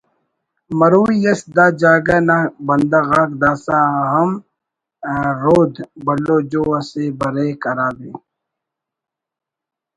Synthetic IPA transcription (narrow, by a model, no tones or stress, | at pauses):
mɐɾuːjɐsd̪aːd͡ʒaːɡanabɐnd̪ɐɣaːkd̪aːsaːɦɐm | ɾoːd̪bɐloːd͡ʒoːɐsebɐɾeːkɐɾaːd̪eː